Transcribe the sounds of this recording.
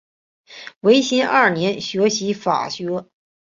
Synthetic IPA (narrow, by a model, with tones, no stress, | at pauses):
we˧˥ɪɕi˥nʔa˥˩njɛ˧˥nɕɥɛ˧˥ɕi˧˥fa̰˨˩ɕɥɛ˧˥